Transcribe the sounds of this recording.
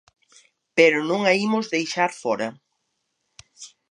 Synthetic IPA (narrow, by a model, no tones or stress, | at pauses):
peɾʊnõŋaimʊzðejʃaɾfɔɾɐ